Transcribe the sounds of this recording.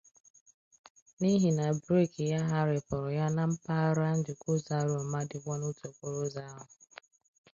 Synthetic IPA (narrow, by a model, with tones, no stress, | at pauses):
ni˦ɦi˨na˨bɾe˦˨kja˦ɦa˦ɾɪ˨pʊ˨ɾʊ˨ja˦na˦m̩˦pa˦ɾa˦n̩˦dɪ˨kʊ˦za˦ɾo˨ma˦dɪ˨ɡʷɔ˦nu˦to˨kʷʊ˦ɾʊ˦za˦ɦʊ˨